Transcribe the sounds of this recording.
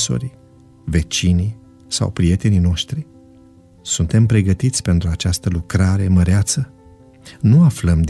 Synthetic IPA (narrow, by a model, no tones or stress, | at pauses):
so̰ɾi | ve̞t͡ʃini | sa̰wpɾije̞t̪e̞nino̞ʃt̪ɾi | sunt̪e̞mpɾe̞ɡət̪it̪sʲpe̞nt̪ɾuat͡ʃast̪əlukɾaɾe̞məɾeat̪sə | nuafləmd̪